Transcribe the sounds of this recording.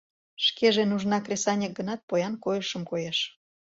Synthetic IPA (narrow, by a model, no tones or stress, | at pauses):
ʃkeʒenuʒnɑkrʲesɑnʲek̚ɡənɑt̪̚pojɑnkojəʃəmkojeʃ